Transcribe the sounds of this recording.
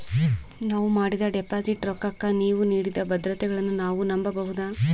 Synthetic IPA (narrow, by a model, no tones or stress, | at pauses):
naːʋumaːɽid̪ɐɖepaːsiʈɾɔkːɐkːɐniːʋuniːɽid̪ɐbɐd̪ɾɐt̪ɛɡɐɭɐnːunaːʋunɐmbɐbɐɦud̪aː